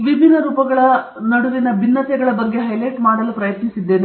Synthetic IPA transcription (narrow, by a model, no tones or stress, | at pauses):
ʋibʱinːɐɾuːpɐɡɐɭɐ | nɐɽuʋinɐbʱinːɐt̪ɛɡɐɭɐbɐɡːeɦɐjlejʈmaːɽɐlupɾɐjɐt̪nisid̪ːeːnu